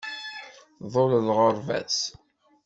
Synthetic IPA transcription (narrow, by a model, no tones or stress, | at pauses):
ðˤollʁəɾˤvæ̰t͡s